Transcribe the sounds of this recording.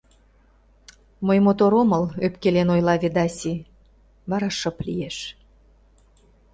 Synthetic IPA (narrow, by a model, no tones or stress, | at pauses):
məjmot̪oɾoməløpkelenojlɑβed̪ɑsʲi | βɑɾɑʃəplḭjeʃ